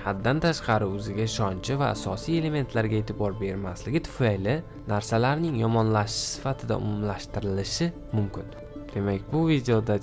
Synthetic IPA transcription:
had̪ːant̪ʰaʃqʰɑɾɪɵzɪɡʲaɪʃɒnt͡ʃʰɪva̰ːsɒsije̞le̞me̞nt̪ʰlaɾɡʲae̞ːt̪ʰɪbɒɾbe̞ɾmaslɪɡʲɪt̪ʰʊ̥fajlɪ | naɾsalaɾnɪŋjɒmɒnlaʃɪ̥sɪ̥fat̪ʰɪd̪a̰ʊ̰mʊmlaʃt̪ɪɾɪlɪʃɪ | mʊmkʲɪn | d̪̥e̞makʲbʊvid̪eod̪a

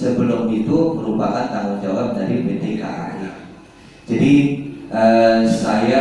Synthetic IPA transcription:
səbəlʊmit̪uməɾupakant̪aŋʊnd͡ʒawap̚daɾipedeka̰a̰ja | d͡ʒadiʔəsaja

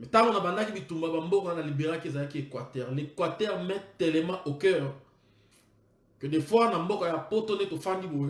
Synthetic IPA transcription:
mɛtaŋɡonabandakibitumbabambokɔanalibeʁakiezalakiekwatɛʁlekwatɛʁmɛ̃tɛlɛmãʔokɛʁ | kədefwaʁnambɔkɔapotonetofandibo

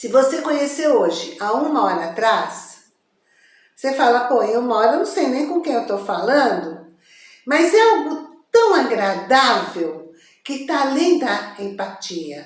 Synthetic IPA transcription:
sɪvosekõɲeseoʒɪaũmɐɔɾɐat̪ɾas | sefalɐpoẽũmɐɔɾɐewnɐ̃w̃sejnẽj̃kõkẽj̃ewt̪owfalɐ̃d̪ʊ | mɐzɛawɡʊt̪ɐ̃w̃aɡɾad̪avew | kɪt̪alĩd̪ɐẽpat͡ʃiɐ

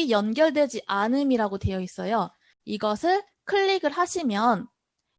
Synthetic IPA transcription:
ijʌnɡjʌɭdwe̞d͡ʑiʔanɯmiɾaɡote̞jʌis͈ʌjo | iɡʌsʰɯɭ | kʰɯʎːiɡɯɭɦaɕʰimjʌn

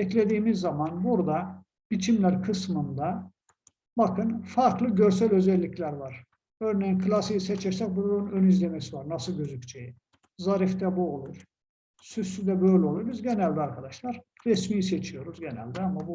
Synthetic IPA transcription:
ɛclʲe̞d̪iːmizːamɑnbuɾd̪a | b̥it͡ʃʰimlʲæɾkʰɯsmɯnd̪a | bakʰɯnfaɾklˠɯɟø̞ɾs̬ælʲø̞zɛlʲːiclʲæɾvaɾ̥ | ø̞ɾnejinkʰɯlˠasijsɛt͡ʃʰɛɾsɛc̚bulˠuɾunønizlʲemɛsivaɾnasɯlˠɟøzyct͡ʃʰeji | zaɾift̪ɛbuo̞lˠuɾ̥ | sysyd̪ɛbø̞jlʲɛo̞lˠuɾbizɟenælʲd̪aɾkʰad̪ɑʃlˠɑɾɾɛsmiːjset͡ʃʰijo̞ɾuzɟenæ̰lʲd̪iamːabu

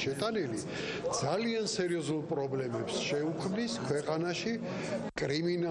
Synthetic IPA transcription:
ʃɛt̪ʼanili | d̪z̥aliansɛɾiɔzulˠpʼɾɔblɛmɛpsʃɛukʰmniskʰwɛqʼanaʃi | kʼɾimina

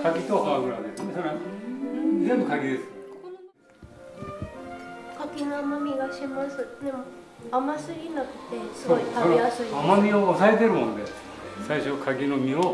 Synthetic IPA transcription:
kʰakʲit̪okaɡɯɾad̪esesoɾa | d͡zẽ̞mbɯkaɡʲid̪e̞sɨ̥ | kakʲinoamamʲiɡaɕimasɨd̪em | amasɨɾʲinakɯ̟̥t̪e̞sokaiasɨɾʲiamamʲioːsaet̪̬e̞ɾɯmonod̪es | esaiɕokʰaɡʲino̞mʲio

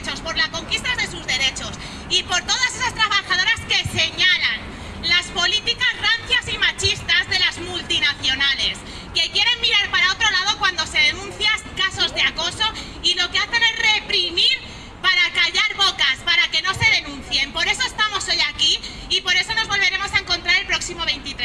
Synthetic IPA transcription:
t͡ʃo̞spo̞ɾlasko̞ŋkist̪azðe̞suzðe̞ɾe̞t͡ʃo̞s | ipo̞ɾt̪o̞ð̞asesast̪ɾaβaxaðo̞ɾaske̞se̞ɲalan | laspo̞lit̪ikazranθjasimat͡ʃist̪azðe̞lazmult̪inaθjo̞nale̞s | ke̞kje̞ɾe̞mːiɾaɾpaɾao̞t̪ɾo̞lað̞o̞kwand̪o̞se̞ðe̞nũnθjaskaso̞zðeako̞so̞ | ilo̞ke̞aθe̞ne̞zre̞pɾimiɾ | paɾakaʝaɾβo̞kaspaɾake̞no̞se̞ðe̞nũn̟θje̞mpo̞ɾe̞soe̞st̪amo̞so̞jakiː | po̞ɾe̞so̞no̞zβo̞lβe̞ɾe̞mo̞saeŋko̞nt̪ɾaɾe̞lpɾo̞ksimo̞β̞e̞jnt̪it̪ɾe

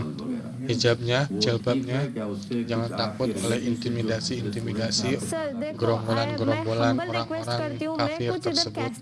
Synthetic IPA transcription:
hid͡ʒap̚ɲad͡ʒəlbap̚ɲad͡ʒaŋant̪akʊt̪̚olɛhint̪imidasiːnt̪imidasiɡɾombolanɡɾombolanoɾaŋoɾaŋkafɪrt̪ərsəbʊt̪̚

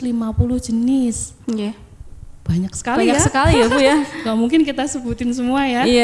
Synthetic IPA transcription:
limapulʊhd͡ʒ̥ənɪs | a | b̥aɲak̚sə̥kaliɲakasəkalijakujaɡamuŋkɪnkit̪asəbut̪ɪnsəmuaja

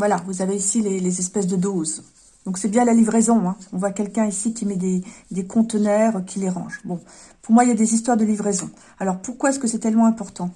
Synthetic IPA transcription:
vwalavuzaveisilelezɛspɛsd̪əd̪oz | d̪ɔ̃ksɛbjɛ̃lalivʁezɔ̃ɛ̃ɔ̃vwakʲɛlkʲɛ̃isikʲimɛd̪ed̪ekʰɔ̃t̪nɛʁøkʲʰileʁɑ̰̃ʒbɔ̃ | puʁmwailjad̪ezis̬t̪waʁd̪əlivʁezɔ̃ | alɔʁpuʁkwaɛskəsɛt̪ɛlmɑ̃ɛ̃pɔʁt̪ɑ̃

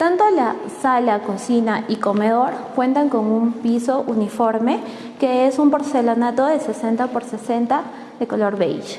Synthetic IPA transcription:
t̪ant̪olasalakosinaʔiko̞meðo̞ɾkwe̞nt̪aŋko̞ŋumpiso̞ʔunifo̞ɾme̞ | keesumpoɾselonat̪o̞ðesesent̪apoɾsesent̪a | ðekolo̞ɾβḛjʃ

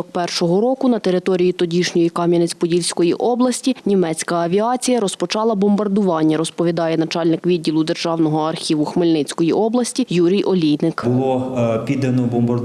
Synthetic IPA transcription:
k̚pɛrʃɔɦɔɾɔkʊnɐt̪eɾɪt̪ɔɾʲijit̪ɔdʲiʃnʲɔjikɑmʲjɐnɪt͡sʲpɔdʲilʲsʲkɔjiʔɔblˠɐsʲtʲinʲimɛt͡sʲkɐɐʋʲiɑt͡sʲijɐɾɔspɔt͡ʃɑlˠɐbɔmbɐrd̪ʊʋɑnʲːɐɾɔspɔʋʲid̪ɑjɛnɐt͡ʃɑlʲnɪkʋʲid̪̚ʲːilˠʊd̪erʒɑwnɔɦɔɐrxʲiʋʊxmɪlʲnɪt͡sʲkɔjiʔɔblˠɐsʲtʲijuɾʲijʔɔlʲijnɪkbʊlˠɔpʲid̪ɐnɔbɔmbɐr

